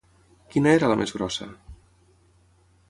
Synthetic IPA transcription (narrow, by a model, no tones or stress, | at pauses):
kinəeɾələmʔḛzɣɾɔsə̰